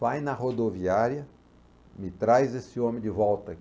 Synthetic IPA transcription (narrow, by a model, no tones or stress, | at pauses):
fajnɐɦod̪oviaɾjɐ | mɪt̪ɾajzesɪõmɪ̃d̪ɪvɔwt̪ɐ